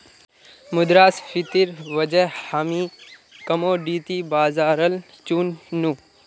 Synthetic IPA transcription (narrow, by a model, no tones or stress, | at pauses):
mʊd̪ɾaːsfɪt̪iɾʋɐd͡ʒəhaːmiːkɐmoːɖiːt̪ibaːzaːɾəl | t͡ʃuːnːuː